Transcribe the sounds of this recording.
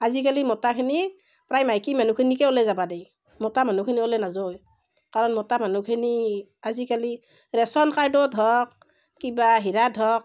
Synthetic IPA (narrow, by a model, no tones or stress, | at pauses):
azikalimɔtakʰini | pɹajmajkimanukʰinikɛɔlɛzabadɛj | mɔtamanukʰiniɔlɛnazoj | kaɹɔnmɔtamanukʰiniazikali | ɹɛsɔnkaɹdɔdʱɔk̚ | kibaɦiɾadʱɔk̚